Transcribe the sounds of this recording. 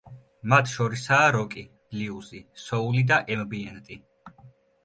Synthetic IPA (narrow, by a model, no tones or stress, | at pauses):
mat̪ʰʃɔɾisaːɾɔkʼi̥ | liuzisɔulid̪aʔɛmbiɛnt̪ʼi